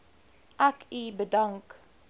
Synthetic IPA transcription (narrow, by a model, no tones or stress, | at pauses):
ʔækibədaŋk